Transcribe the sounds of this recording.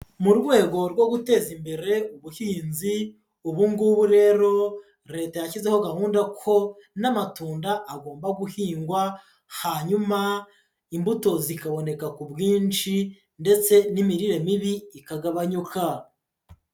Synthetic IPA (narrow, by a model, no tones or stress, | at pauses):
muɾɡwe̞ːɡo̞ɾɡwo̞ɡute̞ːzimbe̞ɾe̞uβuhiːnzi | uβuŋɡuβuɾe̞ːɾo̞ | ɾe̞ːtajacizeho̞ɡahuːndakʰo̞namatuːndaʔːɡo̞ːmbaɡuhiːŋɡwa | haɲuma | imbuto̞zikaβo̞ne̞kakubɡiːnt͡ʃi | nde̞t͡se̞nimiɾiɾe̞miβiːkaɡaβaɲukʰa